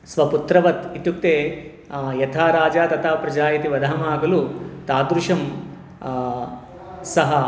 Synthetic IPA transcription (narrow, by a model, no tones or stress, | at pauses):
sʋɐput̪ɾɐʋɐt̪it̪uk̚t̪eː | jɐt̪ʰaːɾaːd͡ʒaːt̪ɐt̪aːpɾɐd͡ʒaːjit̪iʋɐd̪ɐɦɐmaːɡɐlut̪aːd̪ɾuʃɐm | sɐɦɐ